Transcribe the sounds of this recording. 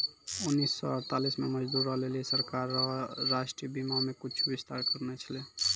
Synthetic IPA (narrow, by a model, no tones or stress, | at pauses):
unːisːɔ̰əɾt̪alismeməd͡ʒd̪uɾəɦleliesəɾkaɾːaʃʈɾibimamekit͡ʃʰubist̪aɾkəɾnɛt͡ʃʰəle